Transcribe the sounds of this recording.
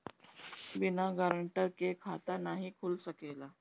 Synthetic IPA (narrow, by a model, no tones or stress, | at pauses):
binaɡaɾəɳʈəɾkekʰat̪anaɦikʰuːlsəkela